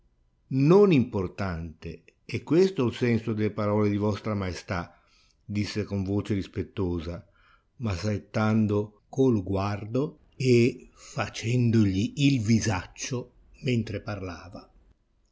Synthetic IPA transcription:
nonimport̪ant̪e | ɛkːwest̪olsɛnsod̪elepaɾɔːled̪ivɔst̪ɾamaest̪a | d̪isːekoɱvoːt͡ʃeɾispet̪ːoːza | masaet̪ːand̪o | kolɡward̪o | efat͡ʃɛnd̪oʎiʔːlvizat͡ʃːo | ment̪ɾeparlaːva

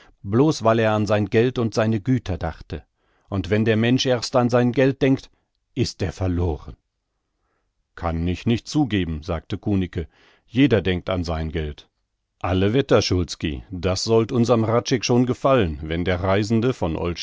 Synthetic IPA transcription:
bloːsv̥aɪleːɐanzaɪnɡɛltʊntz̥aɪnəɡyːtʰɐdaχtə | ʔʊntv̥ɛndeːɐmɛnʃʔeːɐstanzaɪnɡɛlt̚d̥ɛŋkt | ʔɪstʔeːɐfɛɐloːʁən | kʰanɪçnɪçt̚t͡suːɡeːbm̩zaːk̚təkʰuːnɪkə | jeːdɐdɛŋk̚ta̰nzaɪnɡɛlt | ʔaləvɛtɐʃʊlskḭd̥asz̥ɔltʔʊnzɐəmʁat͡ʃɛkʃoːnɡəfalənvɛndeːɐʁaɪzn̩dəfɔnʔɔ̰lʃ

